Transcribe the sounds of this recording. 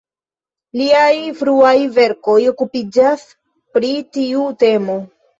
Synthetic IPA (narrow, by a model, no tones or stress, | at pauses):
liajfɾuajve̞ɾko̞jo̞kupid͡ʒas | pɾitiute̞mo̞